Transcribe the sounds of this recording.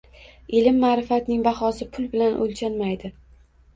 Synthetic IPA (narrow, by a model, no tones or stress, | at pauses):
ɪlɪmːaːɾɪfat̪nɪŋbɑχɒsɪpʰʊlˠbɪlanʔo̰lʲt͡ʃʰanmajd̪ɪ